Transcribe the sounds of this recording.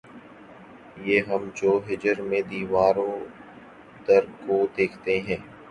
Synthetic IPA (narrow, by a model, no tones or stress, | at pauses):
jeːɦəmd͡ʒoːɦɪd͡ʒəɾmẽd̪iːʋaːɾõː | d̪əɾkoːd̪eːkʰt̪eɦɛ̃ː